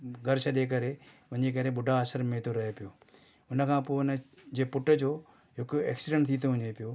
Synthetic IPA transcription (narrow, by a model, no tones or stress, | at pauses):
ɡɐɾsəɗeːk̬ɐɾe | ʋɐ̃ɲd͡ʑeːk̬ɐɾeɓʊɖʱaːʃəɾmẽt̪ʰoɾɐɦepɪjoː | ʊnəkʰãːponəd͡ʑeːpʊʈəd͡ʑoː | ɦʊkɛ̰ːksɪɖə̃ɳʈt̪ʰit̪̬ʰõɦʊ̃ɲepɪjoː